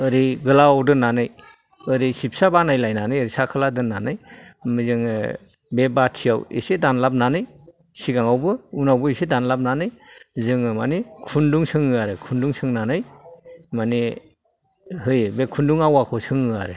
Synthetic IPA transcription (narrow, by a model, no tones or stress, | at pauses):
ɯɾiɡɯlaawdɯnːanɯj | ɯɾisip̚sabanajlajnanɯjɯɾisakʰaladɯnːanɯjmɯzɯŋɯ | bebatʰijawḛsedanlap̚nanɯj | siɡaŋawbɯunawbɯisedanlap̚nanɯjzɯŋɯmanikʰunduŋsɯŋɯaɾɯkʰunduŋsɯŋnanɯjmani | ɦɯjbekʰunduŋawakʰɔsɯŋɯaɾɯ